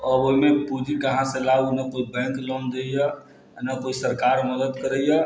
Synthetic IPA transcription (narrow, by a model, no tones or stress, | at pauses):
əboɦimepud͡ʒikəɦãsẽlanəkoibɛ̃ŋklɔ̃md̪ejə | nəkoisəɾkaɾməd̪əd̪kəɾəjə